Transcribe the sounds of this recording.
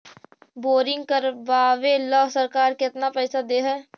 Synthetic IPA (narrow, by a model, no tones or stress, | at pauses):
boːɾɪ̃ŋɡkəɾʋaːʋelɔːsəɾkaːɾkɪt̪napɛːsad̪eːɦɛː